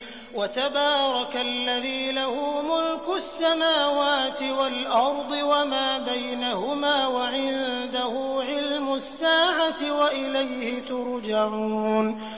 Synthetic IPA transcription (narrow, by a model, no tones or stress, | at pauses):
wat̪abɑːɾˤɑkalːaðiːlahʊːmʊlkʊsːamaːwaːt̪ɪwalʔɑɾˤd̪ˤɨwamaːbajnahʊmaːwaʕɪnd̪ahʊːʕɪlmʊsːaːʕat̪ɪwaʔɪlajhɪt̪ʊɾd͡ʒaʕuːn